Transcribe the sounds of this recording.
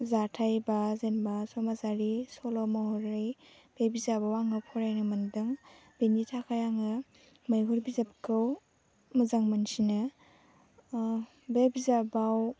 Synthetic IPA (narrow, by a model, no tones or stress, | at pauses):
zatʰajbazenbasɔmasaɾisɔlɔmɔhɔɾɯj | b̥ebizabawaŋɯpʰɔɾajnɯmɐndɯŋ | benitʰakʰajaŋɯ | majɦuɾbizapkʰɯw | mɯzaŋmansinɯ | bebizabaw